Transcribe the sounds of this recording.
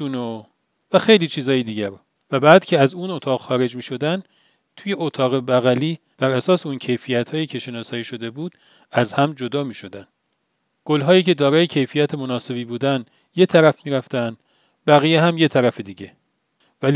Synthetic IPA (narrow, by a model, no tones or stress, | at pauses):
uno | væxe̞jliːt͡ʃʰiːzɒːjed̪iːɟæɾ | væbæːd̪̥cʰeæzuno̞t̪ʰɒːɣxɒːɾe̞d͡ʒmiːʃo̞d̪æn | t̪ʰuːje̞ot̪ʰɒːɣe̞bæɣæliː | b̥æɾæsɒːseuncʰe̞jfijæt̪hɒːjiːcʰe̞ʃe̞nɒːsɒːjiːʃo̞d̪e̞buːd̪̥ | æzhæmd͡ʒo̞d̪ɒːmiːʃo̞d̪æn | ɡ̥olɦɒːjiːce̞d̪ɒːɾɒːjecʰe̞jfijæt̪ʰemonɒːse̞biːbuːd̪æn | je̞t̪ʰæɾæfmiːɾæft̪ænd̪ | bæɣijeɦæmjet̪ʰæɾæfed̪iːɟe̞ | væl